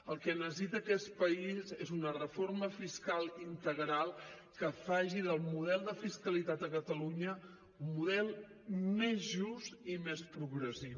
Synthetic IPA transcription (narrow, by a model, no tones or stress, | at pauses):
əlˠkɛnəs̬it̪əkɛspəizezunərəforməfiskalˠint̪əɣɾalˠ | kəfaʒiðəlˠmuðɛlˠd̪əfiskəlit̪at̪əkət̪əluɲə | umːuðɛlˠ | mezʒust̪imespɾuɣɾəsiw